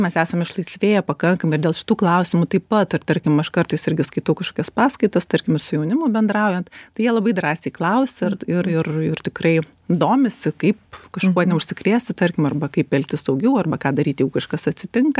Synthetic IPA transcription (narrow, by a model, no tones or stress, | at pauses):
mʲɛsæːsɐmɪʃlˠɐɪsʲʋʲeːjɛpɐkɐŋkɐmɪrd̪ʲeːlˠʃʲɪ̥t̪uːklˠɐʊsʲɪmʊt̪ɐɪppɐt̪ɐrt̪ɐɾʲkʲɪmɐʃkɐrt̪ɐɪsɪɾʲɡʲɪskɐɪt̪ɐʊkɐʃkoːkʲɛspɑːskɐɪt̪ɐst̪ɐɾʲkʲɪmɪsʊjɛʊnʲɪmoːbʲɛnd̪ɾɑʊjɛnt̪t̪ɐɪjiɛlˠɐbɐɪd̪rɑːsʲɛɪklˠɐʊsʲɪrɪrɪrɪrt̪ʲɪkrɐɪ | d̪oːmʲɪsʲɪkɐɪpkɐʃkkuɔnʲɛʊʃʲsʲɪkɾʲiːsʲt̪ʲɪt̪ɐɾʲkʲɪmɐrbɐkɐɪpɛlʲkt̪ʲɪsɐʊɡʲɛʊɐrbɐkɑːd̪ɐɾʲiːt̪jɛʊkɐʃkɐsɐt̪ʲsʲɪt̪ʲɪŋkɐ